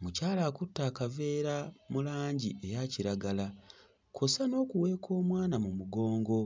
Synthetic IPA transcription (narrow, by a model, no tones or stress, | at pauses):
mucaːlaːkutːaːkave̞ːɾamulaːɲɟie̞jaciɾaɡala | kʰo̞sano̞ːkuwe̞ːkʰo̞ːmwaːnamumuɡo̞ːŋɡo̞